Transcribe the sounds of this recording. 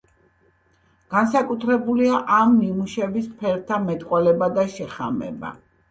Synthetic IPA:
ɡ̥ansakʼut̪ʰɾɛbuliaʔamnimuʃɛbispʰɛɾt̪ʰamɛt̪ʼqʼwɛlɛbad̪aʃɛχamɛ̰ba̰

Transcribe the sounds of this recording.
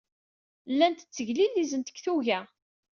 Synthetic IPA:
lːænt̪ə̥t͡sːəʝlilːizənt̪ə̥kθuʝæ

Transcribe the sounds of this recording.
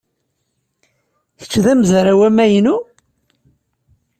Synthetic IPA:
θə̥t͡sːðæmzɾæwæmæjnu

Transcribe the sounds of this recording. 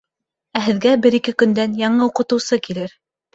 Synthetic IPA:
æɦɘ̆ðɡæbɘɾikɘkɵ̆nd̪ænjɑɴɤuqɤ̆t̪ɤ̆wsɤkilɘɾ

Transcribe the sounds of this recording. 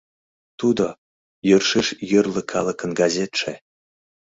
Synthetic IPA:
t̪ud̪o | jərʂiʃjə̆rlə̆kʰɑlˠɤ̆kə̆nɡɑzʲet̪ʃe

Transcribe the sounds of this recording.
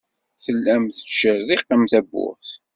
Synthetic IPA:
θəlːæmθə̥ʃəɾːiqːəmθæbːʊ̰ɾθ

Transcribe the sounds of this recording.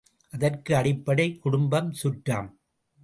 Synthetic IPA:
ʔɐðɐrkɯɐɽɪpːɐɽɐɪkːʊɽʊmbɐmsʊʈra̰ːm

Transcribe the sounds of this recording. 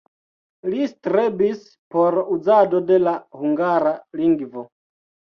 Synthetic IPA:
listɾebis | po̞ɾud͡zadode̞lahuŋɡaɾaliŋɡvo

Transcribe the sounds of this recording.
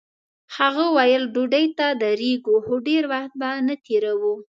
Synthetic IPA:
haɣəwajəlɖoɖəjt̪ad̪əɾeɡuxoɖeɾwaxt̪̚banət̪eɾawu

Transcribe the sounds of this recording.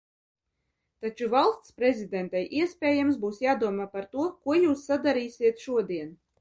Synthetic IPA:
t̪at͡ʃuvalˠst̪spɾezʲid̪ɛnt̪ajʔiɛsʲpʲɛːjamsbuːsjaːd̪uɔmaːpaɾt̪uɔkuɔjuːsːad̪aɾiːsʲiɛt̪ʃuɔd̪iɛn

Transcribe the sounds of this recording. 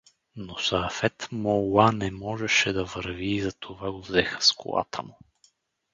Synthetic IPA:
nosɐfɛt̪mowanɛmɔʒɛʃɛd̪ɐvəɾviːzɐt̪ʰovaɡovzɛxə̥sko̰lˠa̰t̪ʰə̰mʊ

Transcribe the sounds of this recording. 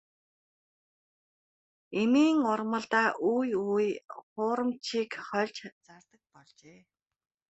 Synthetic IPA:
emiːŋʊrmə̆ɮt̪aːʔujujχʊːɾə̆mt͡ɕʰiːkχœɮt͡ɕt͡sart̪ə̆k̚pɔɮt͡ɕeː

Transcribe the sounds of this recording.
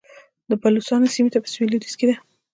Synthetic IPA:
d̪əbalusɑnosimet̪apə̥swelid̪isked̪e

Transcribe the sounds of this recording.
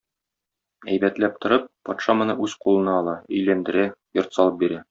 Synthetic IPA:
æjbæt̪læp̚t̪ŏɾɤp̚ːɒt̪ʃɑmɤ̆nɤʔʉzqulˠɤ̆nɑɒlˠɑɵ̆jlænd̪ɘ̆ɾæjŏɾt̪sɒlˠɤp̚biɾæ

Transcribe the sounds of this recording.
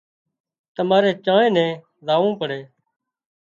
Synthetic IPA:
t̪əmaːɾeːt͡ʃãːẽːnɛ̃ː | zaːʋũːpəɽeː

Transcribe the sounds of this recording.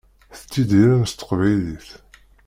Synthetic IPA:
θə̥t͡sːid̪iɾaɾəst̪ːə̥qvæjliθ

